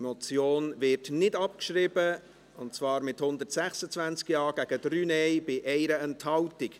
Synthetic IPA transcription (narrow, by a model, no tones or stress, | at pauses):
mot͡sjoːnvɪɾtnɪdɑpkʃɾɪbə | ʊntt͡svɑːɾmɪthʊnd̪ətsæχsət͡svænt͡skjɑːɡ̥æɡ̥ədɾyːnɛɪb̥ɪʔɛɪɾəɛnthɑltɪk